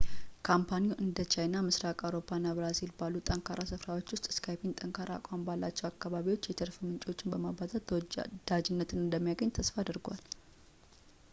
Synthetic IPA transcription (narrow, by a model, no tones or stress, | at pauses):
kʰampʰaniuʔɨnd̪ət͡ʃajnamɨsɾakʼawɾo̞pʰːaɨnːabɾazilbalːut̪ʼəŋkʰaɾʔasɨfɾawo̞t͡ʃːwʊst̪ʼɨ̥skʰajbint̪ʼəŋkʰaɾa̰kʷʼambalːat͡ʃːɛwakːaβaβiwo̞t͡ʃːjɛt̪ʰəɾfɨmɨnt͡ʃʼiwo̞t͡ʃːɪnbəmabat̪ʼat̪d̪̥ad͡ʒɪnːət̪ʰɨnɨnd̪əmːijaɡəɲːt̪ʰəsfad̪əɾɡʷa̰l